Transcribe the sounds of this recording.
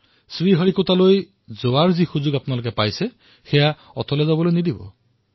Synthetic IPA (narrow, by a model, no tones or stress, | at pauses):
sɹiɦɔɹikut̪aloj | zoaɹzixuzuɡapʊnalok̬epajse | xeja | ɔt̪ʰɔlɛzabɔlojnid̪ibɔ̰